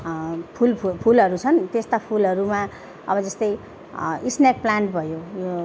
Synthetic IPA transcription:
pʰulpʰpʰulɦʌɾut͡sʰʌnt̪est̪apʰulʌɾuma | ʌbʌd͡zʌst̪ʌj | isnjak̚plaɳʈbʱʌjojo

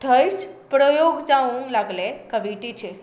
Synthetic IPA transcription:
t̪ʰəjt͡ʃpɾojoɡd͡ʒãũŋlaɡlekəʋiʈit͡ʃʰe

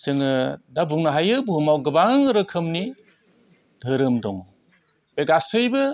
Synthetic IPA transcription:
sɯŋɯdabuŋnaɦajɯbuɦɯmawɡɯbaŋŋɯɾɯkʰɯmni | dʱɯɾɯmdɔŋ | b̥eɡasɯjbɯ

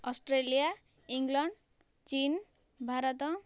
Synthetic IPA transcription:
ɔsʈɾelija | iŋɡlɔɳɖ | t͡ʃin | bʱaɾɔt̪ɔ

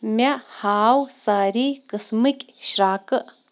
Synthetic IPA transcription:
mʲaʔhaːwsaɾikəsmɨkʲʼ | ʃɾakəʔ

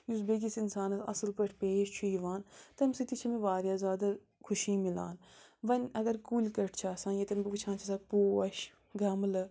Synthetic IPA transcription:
jus̬bek̬isinsaːnɐsɐ̰sɨlpɐʈʰpeːʃt͡ʃʰuiʋaːnt̪ɐmsit̪it͡ʃʰɐmẽʋaːɾjaːzʲaːd̪ɐ | kʰʊʃiːmila̰ːnʋɐnʲɐɡɐɾkulʲkɐʈʰt͡ʃʰaːsãːnjet̪ɐnbkut͡ʃʰãːnt͡ʃʰɐsak̚poːɐʃ | ɡɐmlɨ

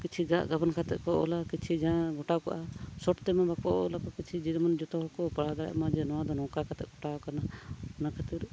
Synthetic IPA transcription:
kit͡ʃʰiɡaʔɡabənkʰat̪ɛ̰ʔkɔʔɔ̰lakit͡ʃʰid͡ʒãɡɔʈakɔʔasɔʈt̪ɛmabakɔɔ̰lakɔkit͡ʃʰid͡ʒid̪mɔnd͡ʒɔt̪ɔɦɔkɔpaɽad̪aɽɛ̰ʔmad͡ʒɛnɔwãd̪ɔnɔ̃kakʰat̪ɛ̰ʔɡɔʈawkanaɔnakʰat̪iɾ

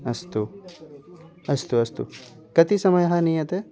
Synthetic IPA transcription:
ɐst̪u | ɐst̪uɐst̪ṵ | kɐt̪isɐmɐjɦanijɐt̪e

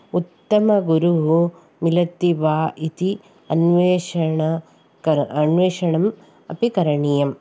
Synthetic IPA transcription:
ut̪ːɐmɐɡuɾuɦu | milɐt̪ːiʋaːʔit̪i | ɐnʋeːʂɐɳɐ | kɐɐnʋeːʂɐɳɐm | ɐ̰pikɐɾɐɳijɐm

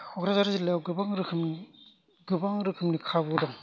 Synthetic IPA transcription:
hɔkɾazaɾzilejwɡɯbaŋɾɯkʰɯmn | ɡɯbaŋɾɯkʰɯmnikʰabɯdɔŋ

